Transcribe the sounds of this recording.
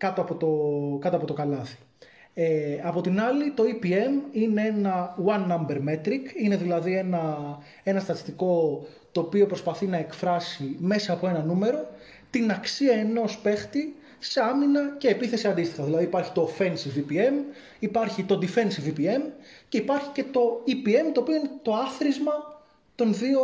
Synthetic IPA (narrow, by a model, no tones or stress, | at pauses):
kɐt̪oɐpo̞t̪okɐt̪oɐpo̞t̪o̞kɐlɐθi̥ | eɐpo̞t̪inɐlit̪o̞ipie̞mine̞e̞nɐwɐnːɐmbeɾme̞t̪ɾikine̞ðilɐðie̞nɐ | e̞nɐst̪ɐt̪i̥st̪iko̞ | t̪oːpiopɾo̞spɐθinɐe̞kfɾɐsime̞sɐːpo̞e̞nɐnume̞ɾo̞ | t̪inɐksiɐe̞no̞spe̞xt̪i | se̞ɐminɐce̞ːpiθe̞siɐnd̪ist̪ixɐðilɐðipɐɾçi̥t̪o̞fe̞nsivipie̞m | ipɐɾçit̪o̞d̪ife̞nsivipie̞mce̞ipɐɾçi̥ce̞t̪o̞ipie̞mt̪oːpioinet̪o̞ɐθɾizmɐ | t̪o̞nðio